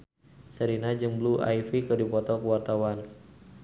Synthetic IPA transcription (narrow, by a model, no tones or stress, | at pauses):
səɾinad͡ʒɨŋblua̰jfikədipɔt̪ɔkəwart̪awan